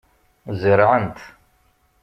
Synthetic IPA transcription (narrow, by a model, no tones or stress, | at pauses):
zəɾʕənt̪